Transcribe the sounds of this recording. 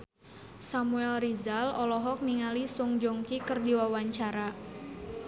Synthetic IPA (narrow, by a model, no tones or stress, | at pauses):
samuɛlrizalɔlɔɦɔk̚niŋalisuŋd͡ʒɔŋkikərdiwawaɲt͡ʃaɾa